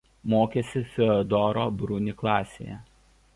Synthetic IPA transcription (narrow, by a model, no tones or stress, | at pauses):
moːkʲɛsʲɪfʲɛɔd̪ɔɾoːbɾʊnʲɪklˠɑːsʲḛːjɛ̰